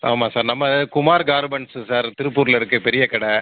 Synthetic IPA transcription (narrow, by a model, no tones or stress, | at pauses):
aːmaːsaːɾnɐmːɐkʊmaːɾɡaːɾmɛɳssaːɾt̪ɪɾɯpːuːɾlɪɾɯkːɯpɛɾɪjɐkɐɽɛ